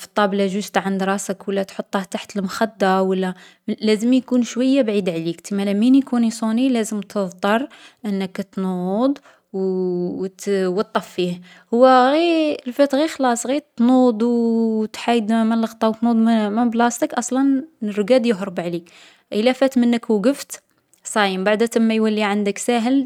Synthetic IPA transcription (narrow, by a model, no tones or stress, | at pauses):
fə̥t̪ˤːɑblæʒust̪ʕand̪ɾˤɑsəkwəlːæt̪ħot̪ˤːɑht̪aħt̪əlmxæd̪ːawəlːæ | læzəmjkunʃwəjːabʕid̪ʕlikt̪imælæminjkunisˤunilæzəmt̪ʰəðˤt̪ˤɑɾˤʔənːəkt̪nud̪ˤ | w | t̪wət̪ˤːɑfːih | hʊwːæɣilfæt̪ɣixlɑsˤɣit̪nud̪ˤwt̪ħajəd̪məlɑxt̪ˤɑwt̪nud̪ˤmməblɑst̪əkʔɑsˤlɑnrːʊɡæd̪jəɦɾəbʕlik | ʔəlːæfæt̪mənːəkwɡəft̪ | sˤɑjəmbaʕd̪æt̪əmːajwælːiʕand̪əksæɦəl